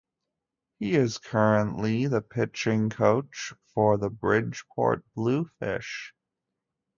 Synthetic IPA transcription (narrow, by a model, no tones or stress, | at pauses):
hiɪz̥kʰɜ˞ə̃nʔliðəpʰɪt͡ʃɪ̃ŋkʰoʊt͡ʃfə˞ðəbɹɪ̥ʒ̥pʰɔ̰ɹt̚b̥lufɪ̰ʃ